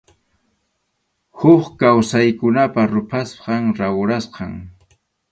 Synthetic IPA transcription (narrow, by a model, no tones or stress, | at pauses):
hʊχkawsajkʊnapaɾʊpʰasqɑŋɾawɾasqɑŋ